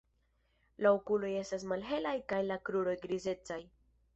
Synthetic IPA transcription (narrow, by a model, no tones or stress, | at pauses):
laokulo̞je̞stasmalɦe̞lajkajlakɾuɾo̞jɡɾize̞t͡saj